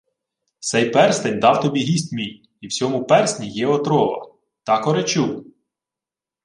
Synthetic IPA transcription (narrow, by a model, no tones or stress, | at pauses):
t̪sɛjpɛrst̪enʲd̪ɑwt̪ɔbʲiɦʲisʲtʲmʲij | iwsʲɔmʊpɛrsʲnʲijɛɔt̪ɾɔʋɐ̰ | t̪ɑkɔɾet͡ʃuw